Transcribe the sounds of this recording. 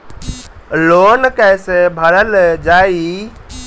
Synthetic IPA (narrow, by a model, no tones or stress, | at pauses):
lonkəɪsebʱəɾəld͡ʒaːi